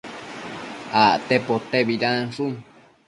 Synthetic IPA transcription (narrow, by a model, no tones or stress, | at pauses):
aʔt̪epot̪eβiɾãnsu